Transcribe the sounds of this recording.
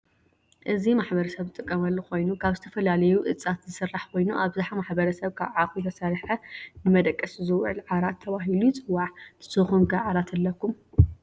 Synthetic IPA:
ʔɨzimaħbɐɾɐsɐβɨt̪ʼɨkʼːɐmɐlːɐkʰo̞jnukʰaβzɨt̪ʰɐfɐlalɐjuʔɨt͡sʼːat̪zɨsɨrːaħkʰo̞jnuʔaβzaħamaħbɐɾɐsɐβkʰaβʕaxʼujt̪ʰɐsɐɾħɐnɨmɐd̪ɐkʼːɐszɨwʕɨ̰lʕaɾat̪ʰːɐβaɦilujt͡sʼɨwːaʕt̪ʰɨ̥sɨxunɡaʕaɾat̪ʰɨlːɐkːum

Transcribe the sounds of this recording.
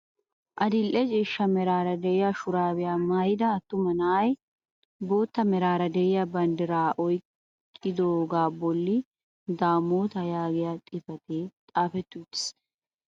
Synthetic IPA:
ʔɐd̪ɪlʔɛd͡ʒeːʃːɐmɛɾaːɾɐd̪ɛjɐʃʊɾaːbɪjaːmaːjd̪ɐːt̪ːʊmɐnaːj | boːt̪ːɐmɛɾaːɾɐd̪ɛjɐbɐnd̪ɪɾaːʔɔjk | kʼːɪd̪oːɡaːbɔlːɪ | d̪aːmːoːt̪ɐjaːɡɪjat̪ʼɪfɐt̪ʰeːt̪ʼaːfɛt̪ːuːt̪ːɪ̥s

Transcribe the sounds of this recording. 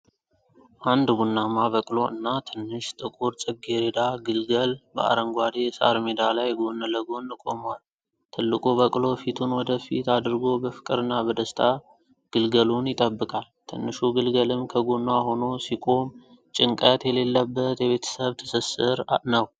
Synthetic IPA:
ʔand̪ɡunːamaβəkʼlo̞ʔɨnːat̪ʰɨnːɨʃt̪ʼɨkʼuɾsʼɨβ̚ɡeɾed̪aɡɨlɡəlbəʔa̰ɾəŋɡʷad̪e̞sa̰ɾmed̪alajɡonələɡo̞nːɨkʼo̞mwal | t̪ʰɨlːɨkʼoβəkʼlo̞fit̪ʰunwɔd̪əfḭt̪ad̪ɨɾɡo̞bəfɨ̥kʼɨɾɨnːabəd̪əst̪ʰa | ɡ̥ɨlɡəlunjɪt̪ʼəbːɨkʼalt̪ʰɨnːɨʃuɡɨlɡəlɨmkʰəɡunːaho̞no̞sikʼo̞m | t͡ʃʼɪŋkʼət̪jɛle̞lːəbːət̪jɛβe̞t̪ʰə̥səβt̪ʰə̥səsɨɾnəw

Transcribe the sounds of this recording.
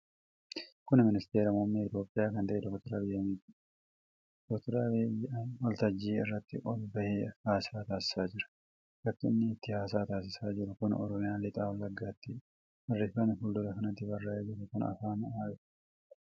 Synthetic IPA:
kʊnɪmɪnɪst̪eːɾɐmomːeːɪt̪jo̞ːpʼːɪjaːkɐnt̪ɐʔɛd̪ɔkt̪ʊɾaːbɪjːɐmiːt̪ɪ | d̪̥ɔkt̪ʊɾaːbjwɔlt̪ɐd͡ʒːiːɪ̰rːɐt̪ːɪ̰ʔɔlbɐheaːsaːt̪aːsɪ̥saːd͡ʒɪɾɐ̥ | ɡɐt̪ːʊɪnːɪːt̪ːɪhaːs̬aːt̪aːs̬ɪsaːd͡ʒɪɾʊkʊnɔ̰ɾɔmɪjaːlɪt̪ʼaːwlːɐɡːaːt̪ːɪ | ɐrːɪfːɐnɪfʊld̪ʊlɐkɐnɐt̪ːɪbɐrːaːʔɛd͡ʒɪɾɐkʊnɐ̰faːnɐʔaːɪ

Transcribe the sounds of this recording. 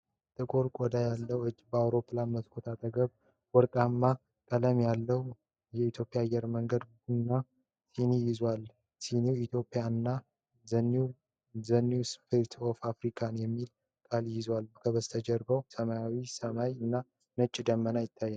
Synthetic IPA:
t̪ʼɨkʼoɾkʼɔd̪ajalːəwɨd͡ʒːbəawɾo̞pːlanmət̪kʰot̪ʰat̪ʼəɡəβ | wɔɾkʼamːa | kʼələmjalːəw | jɛit̪ʰjo̞pʼijaːjɛɾməŋɡəd̪ | unːa | sinijɪzwal | siniwit̪ʰjo̞pʼːɪjaɨnːa | n | zənːiwspʰiɾt̪ʰofafɾikʰanjɛmːil | kʼaljɪzwalkʰəβəst̪ʰəd͡ʒəɾbəwsəmajawisəmajɨnːa | nət͡ʃʼːd̪əmːənajɪt̪ʰːajːɛn

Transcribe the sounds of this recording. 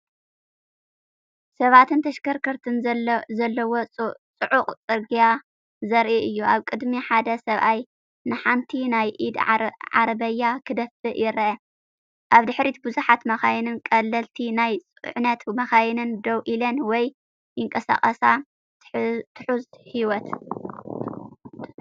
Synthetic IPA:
sɐβat̪ʰɨnt̪ʰɐʃkɐɾkʰɐɾt̪ʰɨnzɐlːɐwot͡sʼɨʕuqʼt͡sʼɨɾɡija | zɐɾʔiʔɨjːuaβkʼɨd̪miħad̪ɐsɐβʔaj | nɨħant̪ʰinajʔid̪ʕa̰ɾbɐjːakʰɨd̪ɐfɨʔjɪɾʔɐ | ʔaβd̪ɨħɾit̪bɨzuħat̪mɐxajnɨnkʼɐlːɐlt̪ʰinajt͡sʼʕnɐt̪mɐxajnɨnd̪ɐwʔilɐnwɔj | jɪŋkʼɐsa̰χʼɐsa | t̪ʰɨħuzhiwɔt̪

